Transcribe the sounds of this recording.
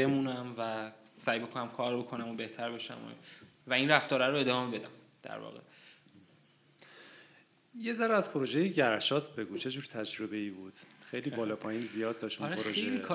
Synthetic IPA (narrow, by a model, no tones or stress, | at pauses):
emuːnæmvæ | sæjbekʰonæmkʰɒːɾbo̞kʰo̞næmobe̞ht̪ʰæɾbe̞ʃæ̰mo̰ | væinræft̪ɒːɾæɾoe̞d̪ɒːmebe̞d̪æm | d̪̥æ̰ɾvɒ̰ːɣḛ | je̞zæɾæzpʰoɾoʒejeɟæɾʃɒːsbe̞ɡuːt͡ʃʰe̞d͡ʒuːɾt̪ʰæd͡ʒɾo̞be̞iːbuːd̪̥xejliːbɒːlɒːpʰɒːjinzijɒːd̪̚d̪ːɒʃt̪ulpoɾoʒeelikʰː